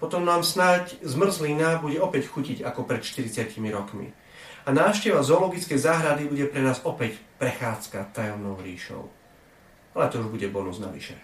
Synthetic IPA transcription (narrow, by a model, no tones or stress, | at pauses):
pɔt̪ɔmnaːmsnaczmr̩zlinabuɟɛɔpɛcxuciɟakɔpɾɛt̪ʃt̪iɾit͡sɪacimiɾɔkmḭ | anaːʃcɛʋazɔːlɔɡit͡skɛjzaːɦɾad̪ibuɟɛpɾɛnaːzɔpɛcpɾɛxaːt͡skat̪ːajɔʊnɔʊɾiːʃɔ̰ʊ | alɛt̪ɔuʒbuɟɛbɔnuzna̰ʋḭʃɛ̰